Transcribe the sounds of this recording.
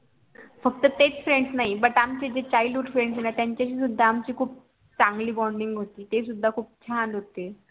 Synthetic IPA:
fək̚t̪ət̪et͡sfɾeɳɖsnaɦibəʈamt͡ɕed͡ʑet͡ɕailɖɦuɖfɾẽɳɖsenat̪jaɲt͡ɕjaɕiːsud̪ʱːaːmt͡ɕiːkʰuːp̚ | t͡saŋɡliːbɔɳɖiŋɡɦot̪iːt̪esud̪ʱːakʰuːp̚t͡ɕʰanɦot̪e

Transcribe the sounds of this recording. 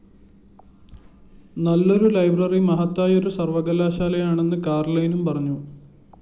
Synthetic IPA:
nɐlːo̞ɾulɐjbrɐrimɐɦɐt̪ːaːjo̞ɾusɐrʋɐɣɐlaːɕaːlɐjaːɳe̞nːɨkaːrlɐjnumpɐrɐɲːu

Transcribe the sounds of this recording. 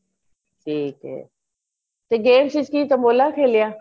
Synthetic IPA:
ʈʰiːkɦɛ̰ː | t̪eɡeːmsɪt͡ʃkiːt̪ɐmoːlakʰeːlijaː

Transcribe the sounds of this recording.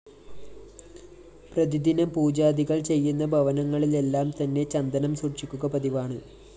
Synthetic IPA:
prɐd̪id̪inɐmpuːd͡ʑaːd̪iɣɐɭt͡ɕe̞jːunːɐbʱɐʋɐnɐŋːɐɭile̞lːaːmt̪ɐnːe̞t͡ɕɐnd̪ɐnɐmsurt͡ɕikʲːuɣɐpɐðiʋaːɳɨ

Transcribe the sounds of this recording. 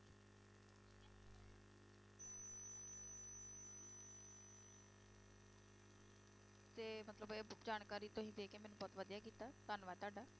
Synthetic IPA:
t̪eːmət̪ləbeːd͡ʒaːnkaːɾiːt̪õːɦĩːd̪eːkeːmɛːnũːbɔːt̪ʋəd̪ijaːkiːt̪aːt̪ənʋaːt̪aːɖaː

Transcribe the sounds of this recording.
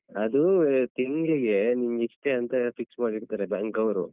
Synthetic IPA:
ɐd̪ut̪iŋɡɭiɡe̞niŋɡiʂʈeɐnt̪ɐfiksmaːɽiɾt̪aːɾebaːŋkɐwɾṵ

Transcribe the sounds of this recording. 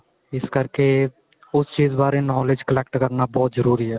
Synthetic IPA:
ɪskɐɾke | ʊst͡ʃiːzbaːɾenɔːled͡ʒkəlɛːk̚ʈkɐɾnabɔːt̪zəɾuːɾiɦɛː

